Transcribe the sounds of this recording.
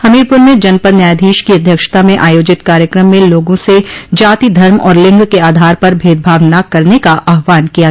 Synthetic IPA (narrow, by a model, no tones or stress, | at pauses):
hɐmiːɾpʊɾmẽd͡ʒɐnpəɾnjaːd̪ʱiːʃkiɐd̪ʱjəkʃt̪amẽʔaːjoːd͡ʒɪt̪kaːɾjəkɾəmːẽloːɡõsed͡ʒaːt̪id̪ʱɐɾmɔ̰ːɾlɪ̃ŋɡkeaːd̪ʱaːɾpɐɾbʱeːd̪̚bʱaːʋnakːɐɾnekaʔaːɦʋaːnkija